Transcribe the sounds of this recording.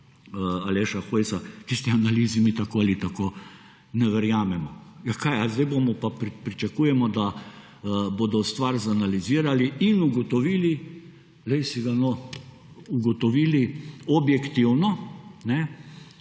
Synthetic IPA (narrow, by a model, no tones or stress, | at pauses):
alɛʃaxojsak̪ist̪ianaliːzimit̪akoːalit̪akoː | nɛʋɛɾjaːmɛmɔjakajazd̪ɛɪbomɔpapɾpɾit͡ʃakuːjɛmɔd̪a | boːd̪ɔst̪ʋaɾzanaliziːɾaliinuɡɔt̪ɔʋiːli | lɛɪsiɡanɔ | uɡɔt̪ɔʋiːliɔbjɛkt̪iwnɔnɛ